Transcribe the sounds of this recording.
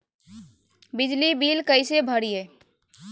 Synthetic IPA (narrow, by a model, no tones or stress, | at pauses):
bɪd͡ʒlibiːlkəɪsebʱəɽieː